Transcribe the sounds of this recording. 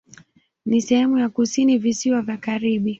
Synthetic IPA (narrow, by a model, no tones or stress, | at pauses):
nisɛhɛmujakusinivisiwavjakaɾiɓi